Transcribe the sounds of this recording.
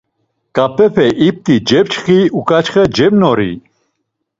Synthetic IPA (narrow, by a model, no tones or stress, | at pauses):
kʼapʰɛpʰɛʔip̚t̪ʼid͡ʒɛpt͡ʃχiukʼat͡ʃχɛd͡ʒɛmnɔɾḭ